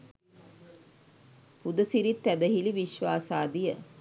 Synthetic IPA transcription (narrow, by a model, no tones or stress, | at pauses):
pud̪ɐsiɾit̪ːæd̪əɦiliʋiʃʋaːsaːd̪ijə